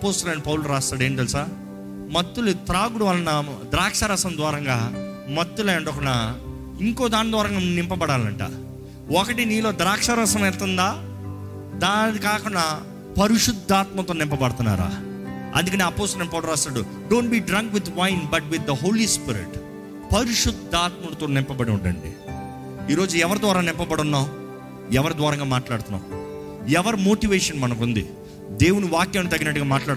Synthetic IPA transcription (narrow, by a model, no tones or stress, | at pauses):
ɐpoːsʈ̪ɐlɐɳʈ̚pɐwuluɾaːst̪aːɽeːɳʈ̪elusaː | mɐt̪ːulut̪ɾaːɡuɽuʋɐlɐnɐd̪ɾaːkʂɐɾɐsɐmd̪ʋaːɾɐŋɡaː | mɐt̪ːulɐɐɳɖɐkunːaː | iŋkoːd̪aːnid̪ʋaːɾɐŋɡaːnɪmpɐbɐɽaːlɐ̰ɳʈa̰ː | ɔkɐʈiniːlo̞ːd̪ɾaːkʂɐɾɐsɐmɛɾt̪und̪aː | d̪aːnikaːkuɳɖa | pɐɾiʂud̪ʱːaːt̪mɐt̪oːnɪmpɐbɐɽɐt̪unːa̰ːɾa̰ː | ɐ̰nd̪ukɐneɐpoːst̪ɐmenpɐɔːɽɐɾaːst̪aɽu | ɖoːɳʈbiːɖɾɐŋkʋid̪ʋɐjnbɐʈʋid̪ːɐɦo̞ːlispiɾḭʈ | pɐɾiʂud̪ʱːaːt̪mɐnt̪oːnɪmpɐbɐɽiuɳɖɐ̰ɳɖḭ | iːɾo̞ːd͡ʒuɛʋɐɾd̪ʋaːɾaːnɪmpɐbɐɽunːaːw | ɛʋɐɾud̪ʋaːɾɐŋɡaːmaːʈlaːɽut̪unːa̰ːw | ɛʋɐɾmoːʈiʋeːʂɐnmɐnɐkund̪ḭ | d̪e̞ːwunuʋaːkjɐːmit̪ɐɡinɐʈ̬ːuɡaːmaːʈlaːɽ